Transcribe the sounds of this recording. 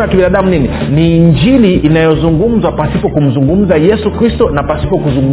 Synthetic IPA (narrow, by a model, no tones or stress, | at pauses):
jakiɓinaɗamunininiɲd͡ʒiliʔːnajɔzuŋɡum̩zwapasipɔkum̩zuŋɡum̩zajɛsukɾistɔnapasi̥pɔkuzuŋɡ